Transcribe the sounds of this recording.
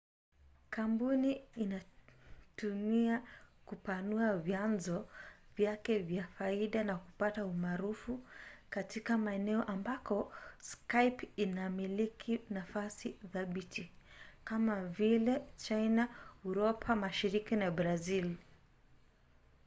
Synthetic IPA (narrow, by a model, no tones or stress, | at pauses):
kambuniːna | tumiakupanuavjanzɔvjakɛvjafaiɗanakupataumaɾufukatikamaɛnɛɔʔambakɔskajpinamilikʰinafasiðaɓitʰikamavilɛt͡ʃajnauɾɔpʰamaʃiɾikinabɾazil